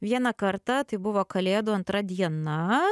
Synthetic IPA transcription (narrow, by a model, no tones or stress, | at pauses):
ʋʲiɛnɐkɐɾt̪ɑt̪ɐɪbʊʋoːkɐlʲeːd̪ʊɐnt̪ɾɐd̪ʲiɛnɐ